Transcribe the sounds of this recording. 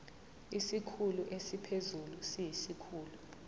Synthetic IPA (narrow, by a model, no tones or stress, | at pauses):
isikʰuluʔesipʰezulusijisikʰuːlu